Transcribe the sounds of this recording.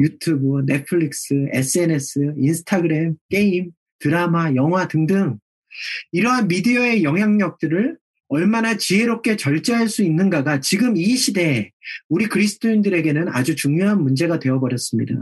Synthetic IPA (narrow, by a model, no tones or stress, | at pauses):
jutʰubune̞pʰɯɭik̚s͈ɯe̞s͈ɯe̞ne̞s͈ʰɯinsʰɯ̥tʰaɡɯɾe̞mk͈e̞im | tɯɾamajʌŋɦwatɯŋdɯŋ | iɾʌɦanmidiʌe̞jʌŋɦjaŋɲʌk̚t͈ɯɾɯɭ | ʌɭmanat͡ɕiɦe̞ɾop̚k͈ʰe̞t͡ɕʌɭt͡ɕ͈ʌɦaɭs͈uinːɯnɡaɡat͡ɕiɡɯmiɕʰide̞uɾikɯɾisʰɯ̥tʰoindɯɾe̞ɡe̞nɯna̰d͡ʑut͡ɕuŋjoɦanmund͡ʑe̞ɡadwe̞ʌbʌɾjʌs͈ɯmɲida̰